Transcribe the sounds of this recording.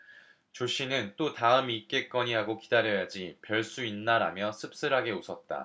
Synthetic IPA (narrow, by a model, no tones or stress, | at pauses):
t͡ɕoɕ͈ʰinɯnt͈otaɯmik͈e̞k͈ʌɲiɦaɡokidaɾjʌjad͡ʑipjʌɭs͈uinːaɾamjʌsʰɯp̚s͈ɯɾɦaɡe̞osʰʌt̚t͈a̰